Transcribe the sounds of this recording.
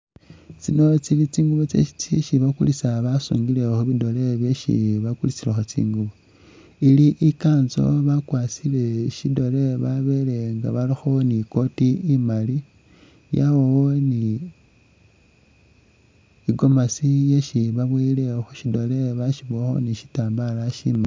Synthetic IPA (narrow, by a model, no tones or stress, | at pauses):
t͡sino̞t͡silit͡siːŋɡuβot͡sḛʃi̥t͡siʃiβakṵlisaβasṵːŋɡile̞xuβido̞le̞βjeʃḭβakulit͡silexot͡sḭːŋɡuβo | iliʔikaːnzo̞̰βakwat͡sile̞ʃido̞le̞βaβe̞le̞ŋɡaβalixo̞niko̞tiːmali | jawowoni | ɡo̞masijeʃiβaβweile̞xoʃido̞le̞βaʃiβexo̞̰niʃi̥taːmbalaʃḭma